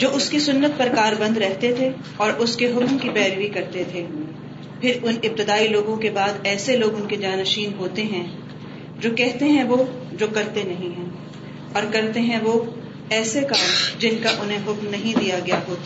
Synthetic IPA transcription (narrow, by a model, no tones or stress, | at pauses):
d͡ʒoːʔʊskisʊnːət̪̚pɐɾkaːɾbɐ̃nd̪ɾɛɦt̪et̪ʰe | ɔːɾʔʊskeɦʊkmkipɛːɾʋikɐɾt̪et̪ʰe | pʰɪɾʊnɪp̚t̪ɪd̪aːiloːɡõkebaːd̪ɛːseloːɡʊnked͡ʒaːnɐʃiːnɦoːt̪eɦɛ̃ | d͡ʒoːkɛɦt̪eɦɛ̃ʋo | d͡ʒoːkɐɾt̪enɐɦĩɦɛ̃ː | ɔːɾkɐɾt̪eɦɛ̃ʋo | ɛːsekaːld͡ʒɪnkaʔʊnɦẽɦʊkmnɐɦĩd̪ijaɡɐjaɦoːt̪a